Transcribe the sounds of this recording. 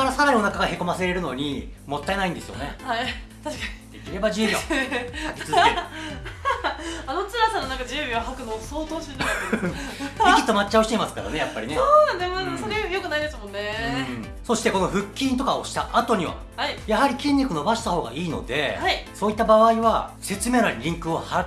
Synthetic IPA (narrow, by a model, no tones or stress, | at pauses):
aɾasaɾaɲʲio̞nakaɡahe̞ko̞maseɾe̞ɾɯ̟no̞ɲ̟imo̞t̪ːae̞naĩnd̪e̞sɨjo̞̰ne̞hai | t̪aɕkaɲid̪̥e̞kʲiɾe̞baʑiɯbia̰akʲi̥t͡sɨzeɾ | anot͡sɨɾasanonãŋkad͡ʑiɯbʲiβaɦakɯ̟nosoːt̪oːɕ | ekʲi̥t̪ːomat͡ɕːaɯɕit̪e̞imasɨ̥kad̪a̰ne̞japːaɾinesoːnãnd̪esmasoɾejo̞kɯ̟naid̪e̞sɨmõ̞nːẽ̞ | so̞ɕi̥t̪e̞ko̞no̞ɸɯ̟kʲːĩnt̪o̞kao̞̰ɕi̥t̪aʔat̪o̞ɲ̟iβa̰ | haijaɦaɾʲikʲĩɲʲːikɯ̟no̞baɕi̥t̪aho̞ːɡa̰iːno̞̰d̪e̞aisoːit̪ːabaβaiβa | se̞t͡sɨme̞ːnaɾʲiɾʲĩŋkɯ̟o̞haɾ